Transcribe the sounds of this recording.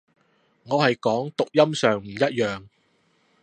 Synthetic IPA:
ŋɔː˨˧hɐ˨jkɔː˨˥ŋt̪ʊ˨k̚jɐ˥msœː˨ŋm̩˨˩jɐ˥t̚jœː˨ŋ

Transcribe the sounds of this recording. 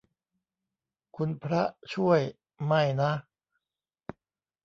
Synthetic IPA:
kʰu˧npʰɾa˦˥t͡ɕʰu˥˩əj | ma˥˩jna˦˥ʔ

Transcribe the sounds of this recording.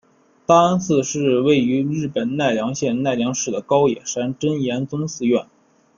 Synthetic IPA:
t̪a˥nsʰɹ̩˥˧ʂɻ̩˥˧we˥˩ɪy˧˥ɻɻ̩˥˩pə˨˩nna˥˩ɪljɑ˧˥ŋɕjɛ˥˧nna˥˩ɪljɑ˧˥ŋʂɻ̩˥˩d̪ə˩kɑ˥ʊjɛ˨˩ʂa˥nʈ͡ʂə˥njɛ˧˥nt͡sʊ˥ŋsɹ̩˥˧ɥɛ˥˩n

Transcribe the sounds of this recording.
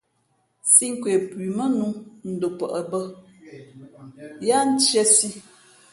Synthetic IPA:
si˦ŋ̩˦kwe˨pwi˨mə˦nu˨˦n̩˦do˨pə̰˨ʔə˨bə˦ | ja˦n̩˦t͡ʃjə˦si˦

